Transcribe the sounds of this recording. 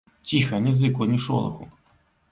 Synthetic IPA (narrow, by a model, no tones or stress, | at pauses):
tʲixɐnʲizɨkɔnʲiʂo̰lˠɐ̰xʊ̰